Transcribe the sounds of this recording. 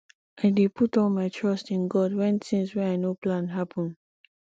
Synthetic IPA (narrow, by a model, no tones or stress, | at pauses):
ʔaɪdepʰutɔlmaɪtʰɹɔstĩnɡɔdwɛ̃ntĩŋswɛaɪnoplãnɦapʰɔ̃n